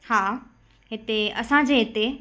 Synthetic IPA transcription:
haː | ɦɪt̪eɐsãd͡ʑeːɦɪt̪e

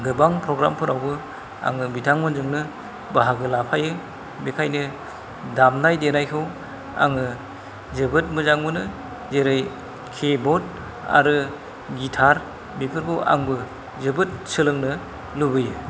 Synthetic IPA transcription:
ɡɯbaŋpʰɾɔɡɾampʰɯɾawbɯ | a̰ŋɯbitʰaŋmɯnzɯŋnɯ | baɦaɡɯlapʰajɯ | bekʰajnɯ | damnajdenajkʰɯw | a̰ŋɯ | zɯbɯt̚mɯzaŋmɯnɯ | zeɾɯj | kʰebɔt̚ | a̰ɾɯ | ɡitʰaɾ | bipʰɯɾbʰɯʔa̰ŋbɯ | zɯbɯt̚sɯlɯŋnɯ | lubɯjɯ

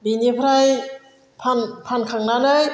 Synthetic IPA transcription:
biːniːpʰaɾaj | pʰanpʰankʰaŋnanɯj

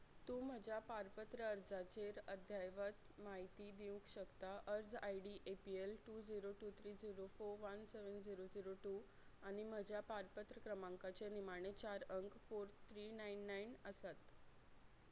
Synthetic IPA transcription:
t̪ũːm̤əd͡ʑʱjapaɾpət̪ɾəəɾd͡zat͡ɕeɾəd̪ʱjajʋət̪maɦit̪iːd̪iũkɕəkt̪aʔəɾd͡zajɽiːʔepielʈuːd͡ziɾoʈuːt̪ʰɾiːd͡ziɾofoɾʋənseʋənd͡ziɾod͡ziɾoʈuː | aɽ̃im̤əd͡ʑjapaɾpət̪ɾəkɾəmãŋkat͡senimaɽ̃et͡ɕaɾəŋkfoɾt̪ʰɾiːnainːainəsat̪

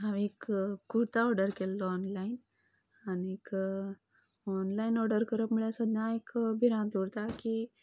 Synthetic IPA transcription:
ɦaʋekːuɾt̪aɔɾɖəɾkelːɔɔnlain | aniek | ɔnlainɔɾɖəɾkəɾəpmuɭjasəd̪ɲãekbʱiɾãd̪uɽt̪aki

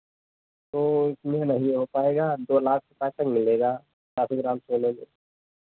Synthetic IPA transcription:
t̪oːɪsmenɐɦĩɦopaːeːɡaːd̪oːlaːk̚ʰɾʊpaːtəŋmɪleːɡaː | t͡ʃaːsiɡɾãːmsoːlẽːɡe

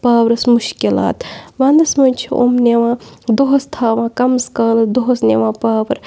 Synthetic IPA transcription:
paːwɾɐsmuʃkila̰ːt̪ʋãːnd̪ɐsmɐnʲt͡ʃʰiʔo̰ːmneʋãːd̪oɦɐst̪ʰaːʋãːkɐmskɐːlɐd̪oɦɐsneːʋãːpaːʋɐɾ

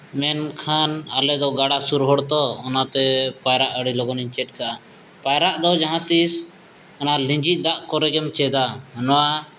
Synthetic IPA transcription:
mɛnkʰanalɛd̪ɔɡaɽasuɾɦɔɽt̪ɔːnat̪ɛpajɾaʔəɽilɔɡɔniɲt͡ʃɛt̪̚kaʔa | pajɾaʔd̪ɔd͡ʒaɦãt̪is | ɔnalĩɲd͡ʒit̪̚ˀd̪aʔkɔɾɛɡɛmt͡ʃɛd̪anɔwa

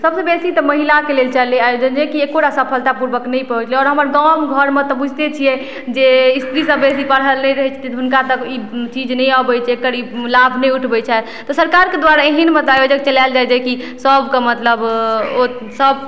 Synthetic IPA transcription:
səbsebesit̪ɔməɦilakelelt͡ʃəleajod͡ʒənd͡ʒɛkiekoɽasəpʰəlt̪apuɾbəknɛjpəɦut͡ʃlɛɔːɾɦəməɾd̪ɔmɡʱəɾmet̪ɔbud͡ʒʱt̪et͡ʃʰijɛ | d͡ʒeist̪ɾisəbːesipəɽɦəlnɛjɾəɦɛt͡ʃʰt̪ʰit̪ɔɦunkat̪əkit͡ʃid͡ʒnɛjabɛt͡ʃʰɛekəɾilabʱnɛjuʈʰbɛt͡ʃʰɛ | t̪ɔsəɾkaɾked̪waɾaeɦinmet̪ajod͡ʒək̚t͡ʃəlald͡ʒajd͡ʒajki | səbʱkemət̪ləbo | səb

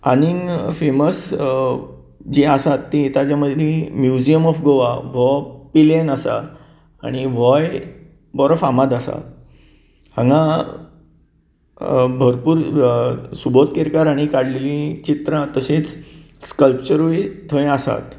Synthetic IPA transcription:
aniŋfeməs | d͡ʑiasat̪ːĩit̪ad͡ʑjaməd̪ʱlẽmjud͡ʑijəmɔfɡoʋaʋɔpilenasa̰ | a̰ɽ̃iʋɔj | bɔɾɔfamad̪asa̰ | ə̃ŋɡã | bʱəɾpuːɾ | subot̪̚keɾkaɾaɽ̃ikaɽlelĩt͡ɕit̪ɾãt̪əset͡s | skəlpt͡ɕəɾujt̪ʰə̃j̃asa̰t̪

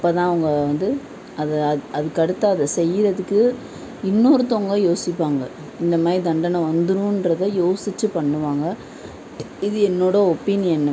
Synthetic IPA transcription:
ɐpːɐːt̪ãːɐʋɐŋɡɐʋɐnd̪ɯ | ɐðɐɐðɯkɐɽɯt̪ːaːɐðɐsɛjːɯɾɐðɯkːɯ | ɪnːoːɾɯt̪ːoŋɡɐjoːsɪpːaːŋɡɐ | ɪnd̪ɐmaːɾid̪ɐɳɖɐnɐʋɐnd̪ɯɾɯ̃ɪndɾɐðɐjoːsɪt͡ʃːɯpɐɳːɯʋaːŋɡɐ | ɪðɯɛnːoːɽɐɔpinɪjɐnːɐ

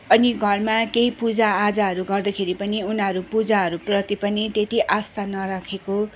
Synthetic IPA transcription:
ʌniɡʱʌrmakeipud͡zaːd͡zaɦʌɾuɡʌrd̪ʌkʰeɾipʌniunɦʌɾupud͡zaɦʌɾuprʌt̪ipʌnit̪et̪iʔast̪anʌɾakʰeko

